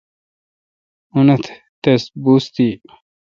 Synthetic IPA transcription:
unɐt̪ʰ | t̪ɐsbust̪iː

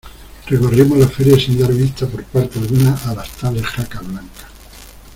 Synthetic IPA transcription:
rrekorimozlafeɾjasind̪aɾβist̪apo̞ɾpaɾt̪ealɣunaʔːlast̪alesxakaβlaŋkḁ

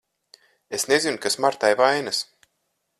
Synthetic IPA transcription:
esnezinkasmaɾt̪ajvajnas

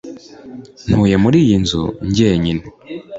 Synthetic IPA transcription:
n̥huːjemuɾiːjinzṵɲɟeːɲine

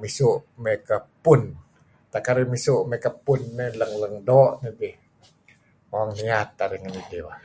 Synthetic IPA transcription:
misuʔmekəpun | t̪akaɾimisuʔmekəpːunːeləŋləŋdɔʔnidi | maŋniat̪̚aɾiŋanidiwa

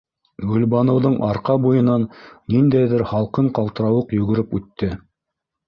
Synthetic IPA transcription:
ɡɵ̆lbɑnɤ̆wðɤɴʔɑɾqɑbujɤ̆nɑnnind̪æjðɘɾχɑlˠqɤɴqɑlˠt̪ɤ̆ɾɑwɤqjɵ̆ɡɘ̆ɾɘpʉt̪ːɘ

